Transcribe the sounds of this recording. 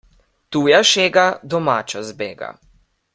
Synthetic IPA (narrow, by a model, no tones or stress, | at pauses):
t̪uːjaʃeːɡad̪ɔmaːt͡ʃazbeːɡa̰